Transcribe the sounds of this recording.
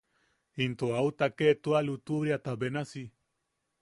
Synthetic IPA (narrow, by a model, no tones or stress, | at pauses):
int̪oaut̪aket̪ualut̪uβɾiat̪abenasi